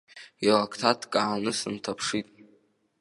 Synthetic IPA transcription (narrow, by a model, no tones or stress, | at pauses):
ilakʰtʰatʰkʼaʕanɨsɨntʰapʰʂitʼ